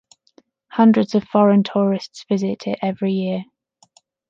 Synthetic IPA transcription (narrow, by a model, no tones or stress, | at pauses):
hʌ̃ndɹədz̥əv̥fɒɹə̃ntʰɔːɹɪstsv̥ɪzɪtʰɪ̰tɛvɹijɪə